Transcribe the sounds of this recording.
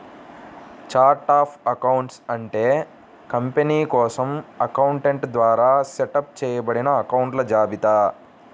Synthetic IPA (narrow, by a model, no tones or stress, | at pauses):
t͡ʃaːɾʈaːpʰɐkɐwuɳʈsɐɳʈeː | kɐmpeniːkɔːsɐmɐkɐwuɳʈeɳʈd̪ʋaːɾaːseʈɐp̚t͡ʃɛːjɐbɐɽinɐːkɐwuɳʈlɐd͡ʒaːbit̪aː